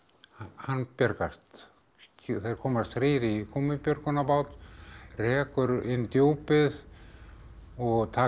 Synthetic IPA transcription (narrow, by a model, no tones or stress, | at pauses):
hahanːpjœɾkast̪ | θeɾ̥kʰɔːmast̪ɾeːɾikʰomɪpjœɾkʏnapaːwt̪rɛːkʏɾɪnːt̪joːwpɪð | ɔɣt̪ʰaː